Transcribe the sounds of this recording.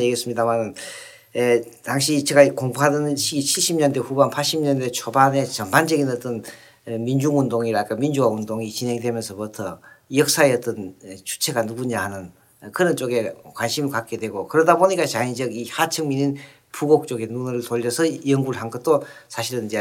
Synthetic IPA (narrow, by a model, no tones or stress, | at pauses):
eɡes͈ɯmɲidamanɯn | etaŋɕʰit͡ɕeɡaikoŋbuɦadɯnnɕʰiɡit͡ɕʰiɭɕ͈imɲʌndwe̞ɸubanpʰaɭɕ͈imɲʌndet͡ɕʰobane̞t͡ɕʌnband͡ʑʌɡinʌt̪͈ʌn | mind͡ʑuŋundoŋiɾakamind͡ʑuɡaund̪oŋit͡ɕinɦe̞ŋdwe̞mjʌnsʰʌpʌtʰʌjʌk̚s͈aeʌt͈ʌnt͡ɕʰu̥t͡ɕʰe̞ɡanuɡuɲahanɯn | kɯɾʌnt͡ɕ͈oɡe̞kwanɕʰimɯɭkak͈̚e̞dwe̞ɡokɯɾʌdaboɲik͈at͡ɕaind͡ʑʌɡihat͡ɕʰɯŋminin | puɡok̚t͡ɕ͈oɡe̞nunɾɯɭtoʎːʌsʰʌjʌŋɡuɾɯɭɦanɡʌt̚t͈osʰaɕʰiɾɯnid͡ʑe